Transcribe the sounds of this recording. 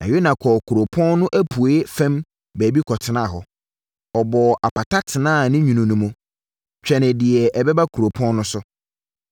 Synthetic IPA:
nã˨jo˦nã˨kʰɔ˨kʰu˨ɾo˨pʰɔ̃˦nnʊ̃˦ʔæ˦pʰu˨e˦fɛ̃˦m | bæː˨bi˦kʰɔ˨tʰɪ˨nã˦˨ɦɔ˨ | ɔ˨bɔ˨ʔa˨pa˨tʰa˦tʰɪ˨nãː˦˨nɪ̃˦ɲũ˨nũ˨nũ˨mʊ̃˦ | t͡ɕᶣɛ˨nɪ̃˨dɪ˨ɛ˨ʔɛ˨bɛ˦ba˦kʰu˨ɾo˨pʰɔ̃˦nnʊ̃˦sʊ˦

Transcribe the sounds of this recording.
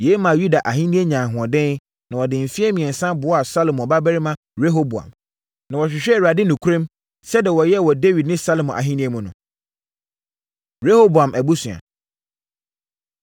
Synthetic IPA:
je˨˦mã˨ju˦da˨ʔa˨ɦĩ˦nĩ˦e˦ɲã˨ɦʊ̃˨ɔ̃˨dɛ̃˦n˦ | nã˨wɔ˨dɪ̃˨m̩˨fi˦ɛ˦mĩ˨ɛ̃˨n˨sã˦bʊ˨ɔ˦a˨sa˦lo˨mɔ̃˨ba˦bɛ˦ɾi˦mã˦ | ɾe˦ɦo˦bu˨ã̰˨m | nã˨wɔ˨ɕᶣɪ˨ɕᶣɛ˦˨a˨dɪ˦nʊ̃˨kʰu˦ɾẽ˦m | sɛ˦dɪ˨wɔ˨jɛ˦˨wɔ˨de˦wi˨dnɪ̃˦sa˦lmɔ̃˨ʔa̰˨ɦĩ˦nĩ˦e˦mũ˨nʊ̃˨ | ɾe˦ho˦bu˨ã˨mʔæ˨bu˦sʊ̃˨a̰˨

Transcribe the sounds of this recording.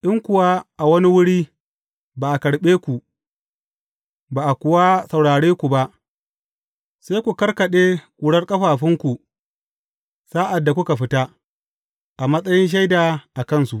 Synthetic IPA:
ʔɪ˦ŋkʷʊ˨wa˦ʔa˨wɐ˦ni˦wʊ˦ɽiː˦ | baː˨ʔa˨kɐ˨ɽɓeː˦kʷu˨ | baː˨ʔa˨kʷʊ˨wa˦sɐ˨wɽaː˨ɽeː˦kʷu˨ba˦ʔ | sa˦kʷu˨kɐ˦rkɐ˨ɗeː˦kʷʼuː˨ɽɐ˦rkʼɐ˦ɸaː˨ɸɪ˦ŋkʷu˨ | saː˦ʔa˨dːa˨kʷʊ˦ka˨ɸɪ˦ta˦ | ʔa˨mɐ˦sʼɐ˦jɪ˦nʃ̬a˦jdaː˨ʔa˨kɐ˦nsu˨ʔ

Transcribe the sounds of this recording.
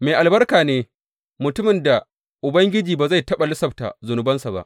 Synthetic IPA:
meː˨ʔa˨lbɐ˦rkaː˨neː˦ | mʊ˨tʊ˦mɪ˨nda˨ | ʔʊ˨bɐ˦ŋɡʲɪ˦d͡ʒiː˨baː˨za˦˨jtɐ˦ɓa˨lʊ˦sɐ˨b̚ta̰˨zʊ˨nʊ˨bɐ˦nsa˨ba̰˦ʔ

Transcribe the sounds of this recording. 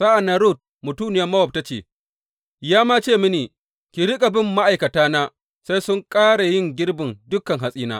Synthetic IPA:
sa˦ʔa˨na˦ɾuː˦˨t̚ | mʊ˨tuː˦nɪ˨jɐ˦mɐ˦wɔ˨p̚ta˦t͡ʃḛː˨ | jaː˦maː˦t͡ʃeː˦˨mɪ˦neː˨ | kʲi˨ɾɪ˦kʼa˨bɪ˦mːa˦ʔa˨jkɐ˨taː˦naː˦ | sa˦jsʊ˦ŋkʼaː˦ɽa˨jɪ˦˨ŋɡʲɪ˦ɽbɪ˨ndʊ˦kɐ˨ŋɦa˨sʼiː˦naː˦

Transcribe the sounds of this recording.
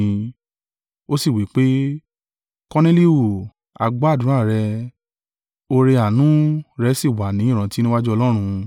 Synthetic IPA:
o˦si˦˨wi˨˦k͡pe˦ | kɔ˧ne˦li˦wu˦˨ | a̰˨ɡ͡ba˦˨dũ˨˦a˦˨ɾɛ˧ | o˧ɾe˧a˨nũ˨˦ɾɛ˧˦si˦˨wa˨nĩ˨˦˨ɾ̃ã˨˦ti˦nĩ˦wa˦d͡ʒu˦ɔ˧lɔ˦ɾ̃ũ˧

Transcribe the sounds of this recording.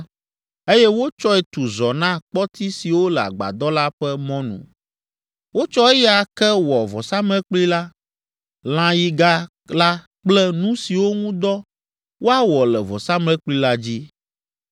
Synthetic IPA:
e˦jɛ˦wo˦t͡ʃɔ˦ɛ˨t̪u˨zɔ˨nã˦k͡pɔ˦t̪i˦si˨wo˦lɛ˨a̰˨ɡ͡ba̰˨d̪ɔ˦la˦ɸɛ˦mɔ̃˦nṵ̃˨ | wo˦t͡ʃɔ˦ɛ˦jɛ˦a˨kɛ˦wɔ˨vɔ˨sa˦mlɛ̃˦k͡pli˦la˦ | l̃ã˦ji˦ɡa˦ | la˦ | k͡plɛ˦nũ˦si˨wo˦ŋũ˦d̪ɔ˦ | wo˦a˦wɔ˨lɛ˨vɔ˨sa˦mlɛ̃˦k͡pli˦la˦d͡ʑi˦

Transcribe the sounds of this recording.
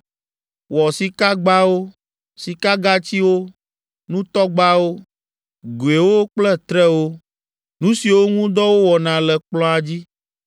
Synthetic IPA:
wɔ˨si˨ka˦ɡ͡ba˦wo˦ | si˨ka˦ɡa˦t͡ɕi˦wo˦ | nũ˦t̪ɔ˦ɡ͡ba˦wo˦ | ɡu˨e˨wo˦k͡plɛ˦t̪ɾɛ˦wo˦ | nũ˦si˨wo˦ŋũ˦d̪ɔ˦wo˦wɔ˨nã˨lɛ˨k͡plɔ̃˦a˨d͡ʑi˦

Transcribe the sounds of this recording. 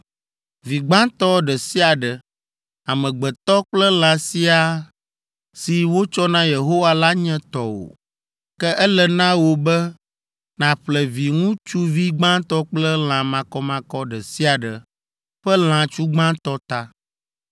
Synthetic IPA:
vi˨ɡ͡bã˦t̪ɔ˦ɖɛ˨si˦a˨ɖɛ˨ | a˨mɛ̃˨ɡ͡bɛ˨t̪ɔ˦k͡plɛ˦l̃ã˨si˦a˨ | si˨wo˦t͡ʃɔ˦nã˦je˨ɦo˦wa˦la˦ɲɛ̃˦t̪ɔ˦wo̰˨ | kɛ˦ʔɛ˦lɛ˨nã˦wo˨bɛ˦ | nã˨ɸlɛ˨vi˨ŋũ˦t͡ʃu˦vi˦ɡ͡bã˦t̪ɔ˦k͡plɛ˦l̃ã˨mã˨kɔ˦mã˨kɔ˦ɖɛ˨si˦a˨ɖə˨ | ɸɛ˦l̃ã˨t͡ʃu˦ɡ͡bã˦t̪ɔ˦t̪a˦

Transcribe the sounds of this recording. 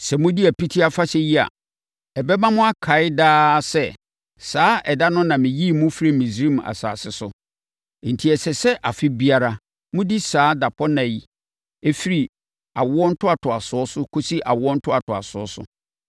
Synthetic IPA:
sɛ˨mʊ̃˦di˦æ˨pʰi˦tʰi˦a˦fa˦sɛ˦ji˦a̰˨ | ɛ˨bɛ˦mã˦mʊ̃˦a˦kʰa˨˦ɪ˦daː˦sɛ˦˨ | saː˦ʔɛ˨da˦nʊ̃˦nã˨mɪ̃˨ji˦˨mʊ̃˦fɾi˦˨mĩ˨sĩ˦m˨a̰˨sa̰ː˨sɪ˨sʊ˨ | n̩˨tʰi˨ɛ˨sɛ˨sɛ˦ʔa˨fɪ˦bi˦a˨ɾa˨ | mʊ̃˦di˦saː˨˦da˨pʰɔ˦nã˨ji˨ | e˦fi˦ɾi˨ | a̰˨wʊ˦ɔ˦n̩˦tʰʊ˦a˨tʰʊ˨a˨sʊ˨˦ɔ˦sʊ˦kʰo˦si˦ʔa̰˨wʊ˦ɔ˦n̩˦tʰʊ˦a˨tʰʊ˨a̰˨sʊ˨˦ɔ̰˦sʊ̰˦

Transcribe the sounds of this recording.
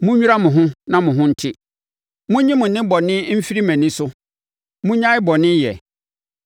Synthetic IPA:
mʊ̃˦ɲᶣu˦ɾa˦mʊ̃˨ɦʊ̃˦nã˦mʊ̃˨ɦʊ̃˦n̩˦tʰɪ˦ | mʊ̃˦ɲĩ˦mʊ̃˨nɪ̃˦bɔ˨nɪ̃˦m̩˦fi˦ɾi˦mæ̃˨nĩ˦sʊ˦ | mʊ̃˦ɲã˦ɪ˦bɔ˨nɪ̃˦jɛ̰˨

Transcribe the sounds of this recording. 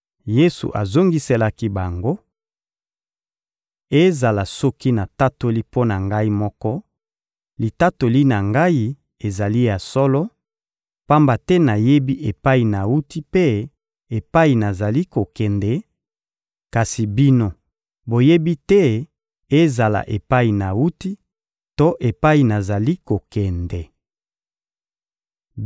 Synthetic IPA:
je˦sṵ˨ʔa˨zo˦ŋɡi˦se˦la˦ki˦ba˨ŋɡo˦ | e˦za˨la˨sɔ˦ki˦na˨ta˦to˦li˦po˦na˨ŋɡa˦i˦mɔ˦kɔ˦ | li˨ta˦to˨li˦na˨ŋɡa˦i˦ | e˨za˨li˦ja˨sɔ˦lɔ˦ | pa˦mba˨tɛ˦na˨je˦bi˦ʔe˨pa˦i˨na˨u˦ti˦pe˦ | e˨pa˦i˨na˨za˨li˦ko˨kɛ˨ndɛ˨ | ka˨si˨bi˦no˦ | bo˨je˦bi˦tɛ˦ | e˦za˨la̰˨ʔe˨pa˦i˨na˨wu˦ti˦ | to˦ʔe˨pa˦i˨na˨za˨li˦ko˨kɛ˨ndɛ˨

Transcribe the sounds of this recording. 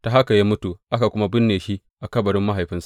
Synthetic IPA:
ta˨ɦa˦ka˨ja˦mʊ˦tu˨ʔa˦ka˨kʷʊ˦ma˦bɪ˦nːeː˨ʃi˦ʔ | ʔa˨kɐ˦bɐ˨ɽɪ˦mːa˦ɦa˨jɸɪ˦nsḁ˨ʔ

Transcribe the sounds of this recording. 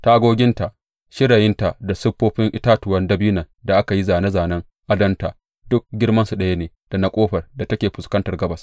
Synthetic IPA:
ta˨ʔa˦ɡoː˦ɡʲɪ˦nta˨ʔ | ʃɪ˦ɽa˨jɪ˦nta˨da˨sʊ˦ɸːoː˦ɸɪ˦ŋʔɪ˦taː˦tʊ˨wɐ˦ndɐ˦biː˦nɐ˨ | da˨ʔa˦ka˨ji˦zaː˨na˦zaː˨nɐ˦ŋ | ʔa˦dɐ˦nta˨ | dʊ˦k̚ɡʲɪ˦rmɐ˦nsu˨ɗɐ˦ja˦neː˨d̥a˨na˨kʷʼoː˦ɸɐ˨rda˨tɐ˦kʲeː˨ɸʊ˨skɐ˦ntɐ˨rɡɐ˦bɐ˨s

